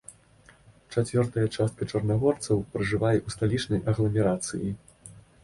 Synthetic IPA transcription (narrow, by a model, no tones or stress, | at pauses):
t͡ʂat͡sʲvʲɔrt̪ɐjɐt͡ʂast̪̚kɐt͡ʂɐrnaɣɔrt̪sɐwpɾɨʐɨvajɐʔust̪alʲit͡ʂnɐjʔɐɣlˠɐmʲɛɾat̪sɨ̰ji